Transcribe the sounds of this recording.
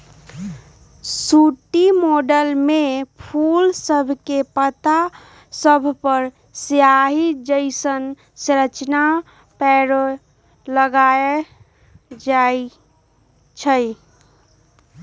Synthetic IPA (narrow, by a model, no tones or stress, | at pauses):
suʈimoɖəlmepʰulsəbʱkepət̪a | səbʱpəɾ | sjaɦid͡ʒəɪsən | sɾət͡ʃna | pɛɾ | ləɡae | d͡ʒai | t͡ʃʰə